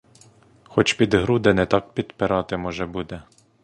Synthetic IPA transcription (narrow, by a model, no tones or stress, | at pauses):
xɔt͡ʃpʲid̪ɦɾud̪ɛnɛt̪ɑk̚pʲit̪pɛɾɑt̪ɪmɔʒɛbud̪ɛ